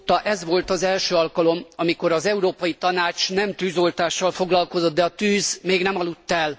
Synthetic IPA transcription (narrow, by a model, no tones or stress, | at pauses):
t̪ːɒʔɛzʋo̞lt̪ɒzɛlʃøːɒlkɒlo̞mɒmiko̞ɾɒzɛuɾoːpɒjit̪ɒnaːt͡ʃnɛmt̪yːzo̞lt̪aːʃːɒlfo̞ɡlɒlko̞zo̞t̪̚d̪ɛɒt̪yːzmeːɡnɛmɒlut̪ːɛl